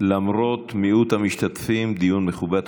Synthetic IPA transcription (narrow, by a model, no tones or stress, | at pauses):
lamɾo̞t̪miʔut̪hamiʃt̪at̪fimd̪ijunmeχubat̪